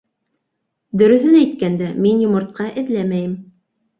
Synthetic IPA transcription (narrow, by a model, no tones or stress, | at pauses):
d̪ɵ̆ɾɵ̆θɘnæjt̪̚kænd̪æminjŏmŏɾt̪̚qɑʔɘ̆ðlæmæjɘm